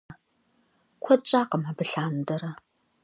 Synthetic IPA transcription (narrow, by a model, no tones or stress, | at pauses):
kʷʰɔt͡ʃʼaːqɐmabɨɬaːnɨdɐɾɐ